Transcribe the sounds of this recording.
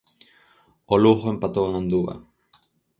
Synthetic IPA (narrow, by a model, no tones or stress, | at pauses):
oluxoempat̪oanand̪uβa̰